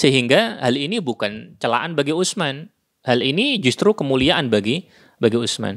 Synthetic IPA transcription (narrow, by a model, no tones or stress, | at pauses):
səɦiŋɡahalinibukant͡ʃəla̰ʔanbaɡiusman | halinid͡ʒust̪ɾukəmuliaʔanbaɡi | baɡiusma̰n